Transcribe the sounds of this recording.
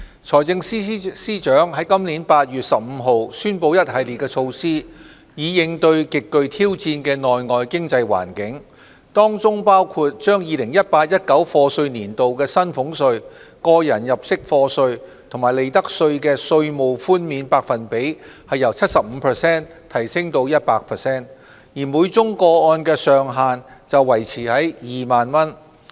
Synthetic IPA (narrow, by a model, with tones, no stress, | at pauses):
t͡sʰɔː˨˩jt͡sɪ˧ŋsi˥siː˥t͡ʃœː˨˥ŋɦɐ˨˥jkɐ˥mliː˨˥npaː˧t̚jyː˨t̚sɐ˨p̚m̩˨˧ɦo˨˧wsyː˥npo˧wjɐ˥t̚hɐ˨˧jliː˨t̚kɛː˧t͡ʃʰo˧wsiː˥ | jiː˨˧jɪ˨˧ŋt̪ɵ˧ɥkɪ˨kːɵ˧ɥt̪ʰiː˥wt͡siː˧nkɛː˧ŋɔː˨jŋɔː˨jkɪ˥ŋt͡sɐ˧jwa̰ː˨˩nkɪ˨˥ŋ | t̪ɔː˥ŋt͡sʊ˥ŋpaː˥wkʰuː˧t̚t͡ʃœː˥ŋjiː˨lɪ˨˩ŋjɐ˥t̚paː˧t̚jɐ˥t̚kɐ˨˥wfɔː˧sɵ˧ɥniː˨˩nt̪o˨wkɛː˧sɐ˥nfʊ˨˧˥ŋsɵ˧ɥkɔː˧jɐ˨˩njɐ˨p̚sɪ˥k̚fɔː˧sɵ˧ɥt̪ʰʊ˨˩ŋmaː˨˩jle˨˧jt̪ɐ˥k̚sɵ˧ɥkɛː˧sɵ˧ɥmo˨wfuː˥nmiː˨˧npaː˧k̚fɐ˨npe˨˥j | hɐ˨jɐ˨˩wt͡sʰɐ˥t̚sɐ˨p̚m̩ː˨˧pʰəː˨˩sɛː˥n | t̪ʰɐ˨˩jsɪ˥ŋt̪o˧wjɐ˥t̚paː˧k̚pʰɛ˨sɛː˥n | jiː˨˩muː˨˧˥jt͡sʊ˥ŋkɔː˧ɔː˧nkɛː˧sœː˨ŋɦaː˨nt͡sɐ˨wːɐ˨˩jt͡sʰiː˨˩hɐ˨˥jjiː˨maː˨nmɐ˥n